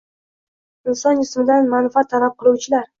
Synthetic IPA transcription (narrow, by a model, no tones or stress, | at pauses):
ɪnsɒnɪsmɪd̪anmanfɪat̪ʰːalap̚qʰɨlˠuwt͡ʃʰɪlaɾ